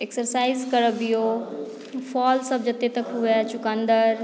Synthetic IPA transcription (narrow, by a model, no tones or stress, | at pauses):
eksəɾsaːizkɐɾəbijo | fʰɔːlsɐb̚d͡ʒɐt̪et̪ɐkɦuat͡ʃʊkãnd̪əɾ